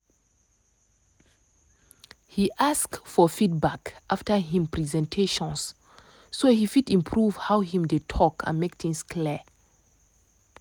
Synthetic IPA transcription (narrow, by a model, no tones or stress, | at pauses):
hiʔaskfɔfit̚bakʔaftəɦĩmpɹizɛ̃ntʰeʃɔ̃nsː | ohifitĩmpʰɹuv̥hawhĩmdetʰɔkʰã̰nmek̚θĩŋskʰli